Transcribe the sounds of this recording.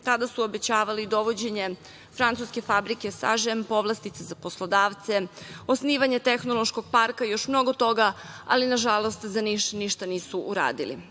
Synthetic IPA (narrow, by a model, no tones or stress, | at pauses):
t̪ad̪asuobet͡ɕaːʋalid̪o̞ʋo̞d͡ʑe̞ɲe | fɾant̪suske̞fabɾikesa̰ʒempo̞ʋlˠast̪it̪sezaposlˠo̞d̪aːʋt̪seosniːʋaɲe̞t̪exno̞lˠo̞ʃko̞ɡ̚paɾkajo̞ʃmno̞ɡo̞t̪o̞ɡaa̰linaʒalo̞st̪zaniʃniʃt̪aniːsuʔuɾa̰ːd̪ḭlḭ